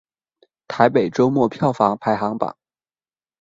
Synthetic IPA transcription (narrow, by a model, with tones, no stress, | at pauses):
t̪ʰa˧˥ɪpe˨˩ɪʈ͡ʂo˥ʊmwɔ˥˩pʰjɑ˥˩ʊfɑ˧˥ŋpʰa˧˥ɪxɑ˧˥ŋpa̰˨˩˦ŋ